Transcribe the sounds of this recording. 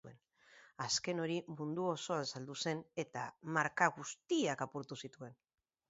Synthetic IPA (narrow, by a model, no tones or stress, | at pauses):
e̞̰n | aske̞no̞ɾimund̪uo̞so̞ansald̪use̞ne̞t̪amaɾkaɣust̪iakapuɾt̪usit̪ue̞n